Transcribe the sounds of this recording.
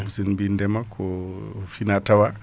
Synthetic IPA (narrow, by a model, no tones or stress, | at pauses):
sinbindɛmakʰɔfinatawa